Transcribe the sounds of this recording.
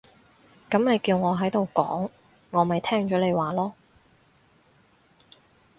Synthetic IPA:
kɐ˨˥mne˨˧jkiː˧wŋɔː˨˧ɦɐ˨˥jt̪o˨wkɔ̰ː˨˥ŋː | ɔː˨˧mɐ˨jt̪ʰɛː˥ŋt͡ʃɔː˨˥le˨˧jwaː˨lɔː˥

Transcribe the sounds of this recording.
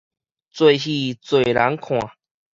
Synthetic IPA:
t͡swe˥˧ɕi˥˧t͡swe˨˩la˨˦nkʰw̃ã˨˩˨

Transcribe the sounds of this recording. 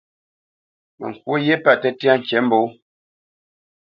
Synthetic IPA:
mɛ̰˨ŋ̩˨kwo˦je˦pa˦˨tɛ˦˨ta˦ŋ̩˨t͡ʃɛ˨˦m̩˦bo˨˦

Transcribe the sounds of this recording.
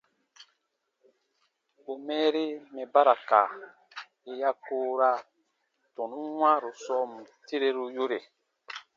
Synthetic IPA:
o˨mɛː˦ɾe˦mɛ̃˨ba˦ɾa˨ka̰˨ | e˨ja˦koː˦ɾa˦ | tɔ̃˨nũ˦wã˦ɾo˨sɔ˦m̩˨te˦ɾe˦ɾu˦jo˦ɾe˨

